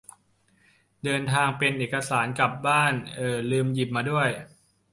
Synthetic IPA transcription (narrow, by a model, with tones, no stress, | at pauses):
dɤː˧nt̪ʰaː˧ŋpe˧nʔeː˨˩ka˧saː˩˦nka˨˩p̚baː˥˩nʔɤː˨˩lɯː˧mji˨˩p̚maː˧du˥˩əj